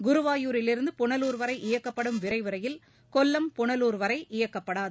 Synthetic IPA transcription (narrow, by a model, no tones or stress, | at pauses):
ɡʊɾɯʋaːjuːɾɪlɪɾɯnd̪ɯpʊɳɐluːɾʋɐɾɐɪʔɪjɐkːɐpːɐɽɯmʋɪɾɐɪʋɯɾɐjɪl | kɔlːɐmpʊɳɐluːɾʋɐɾɐɪʔɪjɐkːɐpːɐɽaːð